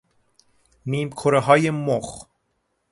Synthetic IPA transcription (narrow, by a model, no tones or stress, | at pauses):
niːmkʰoɾeɦɒːjemox